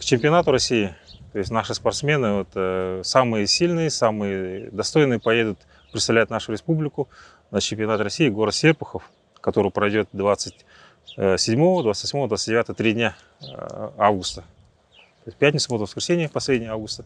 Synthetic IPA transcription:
kt͡ɕɪmʲpʲɪɐnat̪ʊɾɐsʲːijɪt̪o̞ɪsʲtʲnaʂɨspɐrt̪smʲe̞nɨot̪əsamɨjəsʲilʲnɨjəsamɨjəd̪ɐst̪o̞jnɨjəpɐje̞d̪ʊt̪ | pɾʲɪt̪svlʲæjʊt̪naʂʊɾʲɪspublʲɪkʊ | nət͡ɕɪmpʲɐnat̪rɐsʲijɪɡo̞ɾət̪sʲerpʊxəf | kɐt̪o̞ɾʊjʊpɾɐjdʲo̞t̪̚d̪vat̪sɨtʲ | sʲɪdʲmo̞vəd̪vat̪st̪ʲvɐsmo̞vəd̪vat̪sɨtʲdʲɪvʲat̪əvət̪ɾʲidʲnʲa | avɡʊst̪ə | t̪oɪstʲpʲætʲnʲɪt̪səbot̪əvəskɾʲɪsʲenʲɪjəpɐsʲlʲedʲnʲɪjəavɡʊst̪ə

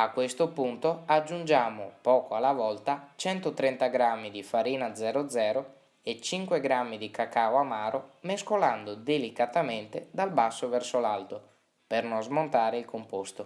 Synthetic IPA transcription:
akːwest̪opunt̪oad͡ʒːund͡ʒaːmopɔːkoalavɔlt̪at͡ʃɛnt̪ot̪ɾɛnt̪aɡɾamːid̪ifaɾiːnad̪zɛːɾod̪zɛːɾo | et͡ʃiŋkweɡɾamːid̪ikakawamaːɾʔomeskoland̪od̪elikat̪ament̪ed̪albasːovɛrsolalt̪o | pernozmont̪aːɾeilkompost̪o

